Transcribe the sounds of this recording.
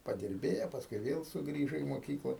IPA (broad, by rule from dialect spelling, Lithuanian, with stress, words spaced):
pɐdʲɪrʲˈbʲeːjoː pɐsˈkʊɪ ˈʋʲeːlˠ sʊˈɡrʲiːʒoː iː moːˈkʲiːklˠɐ